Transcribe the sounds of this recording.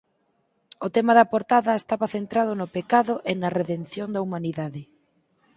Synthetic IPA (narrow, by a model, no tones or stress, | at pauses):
ʊt̪emɐðɐpoɾt̪aðɐest̪aβɐθent̪ɾaðonʊpekaðʊʔenɐreðen̟θjond̪ɐumaniðaðɪ